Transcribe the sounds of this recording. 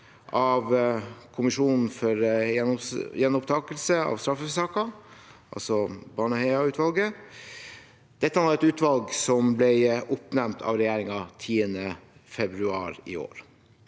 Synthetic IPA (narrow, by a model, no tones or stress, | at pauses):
ʔɑʋkʰʊmɪʂuːnn̩fɔɾ | jɛnːʊpt̪ʰɑːkəlsəɑ̰ʋst̪ɾɑfːəfsɑːkɑʔɑ̰lsɔbɑːɳəheɪɑʉːt̪ʋɑlɡə | d̪̥ɛt̪ːəhɑnʋɑɾɛt̪ʉːt̪ʋɑlɡsɔmblɛɪʊpnɛmt̪ʰɑ̰ːʋɾɛjeːɾɪŋɑt̪ʰiːənəfɛbɾʉɑ̰ːɾɪ̰o̰ːɾ